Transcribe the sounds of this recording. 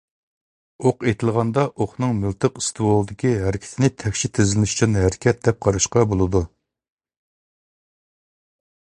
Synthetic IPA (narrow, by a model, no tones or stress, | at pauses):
oqet̪ʰɪlˠʁɑnd̪ɑʔoχnɨŋmɨlt̪ʰɨqist̪ʰɨwolˠɨd̪ɪkʲiɦæɾɪkʲʰɪ̥t̪ʰɪnɪt̪ʰɛkʲʃit̪ʰːɪzlɪnyʃy̥t͡ʃʰynɦæɾɪkʲɛt̪̚d̪ɛp̚qʰɑɾɨʃqɑbolˠɨd̪u